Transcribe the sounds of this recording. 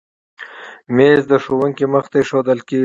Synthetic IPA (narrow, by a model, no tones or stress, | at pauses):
mezd̪əʃowəŋkeməxt̪aʃod̪əlke